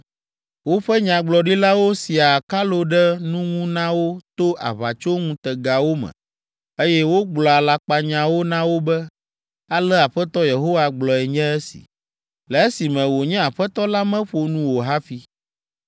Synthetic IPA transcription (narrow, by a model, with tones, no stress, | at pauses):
wo˦ɸɛ˦ɲã˨ɡ͡blɔ˨ɖi˦la˦wo˦si˨a˨ka˦lo˦ɖɛ˦nũ˦ŋũ˦nã˦wo˦t̪o˦ʔa̰˨βa̰˨t͡ʃo˦ŋũ˦t̪ɛ˨ɡa˨wo˦mɛ̰̃˨ | e˦jɛ˦wo˦ɡ͡blɔ˨a˨la˦k͡pa˨ɲã˨wo˦nã˦wo˦bɛ˦ | a˦lɛ˦a˨ɸɛ˦t̪ɔ˦je˨ɦo˦wa˨ɡ͡blɔ˨ɛ˨ɲɛ̃˦ɛ˦sḭ˨ | lɛ˨e˦si˨mɛ̃˨wo˨ɲɛ̃˦a˨ɸɛ˦t̪ɔ˦la˦mɛ̃˦ɸo˨nũ˦wo˨ɦa˦fi˦